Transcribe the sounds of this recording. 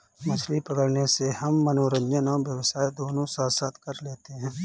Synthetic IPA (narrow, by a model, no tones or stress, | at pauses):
mɐslipəɡəɽnesehɐmːənoːɾə̃ɲd͡ʒənõʋjəʋsaːed̪oːnõsaːsət̪kɐɾleːt̪eɦɛ̃ː